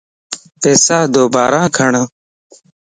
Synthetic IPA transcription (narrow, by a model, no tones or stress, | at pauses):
peːsaːd̪oːbaːɾãːkʰəɳə